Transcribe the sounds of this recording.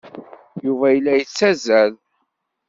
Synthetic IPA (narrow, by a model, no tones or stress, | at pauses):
juvæjəlːæjət͡sːæzæl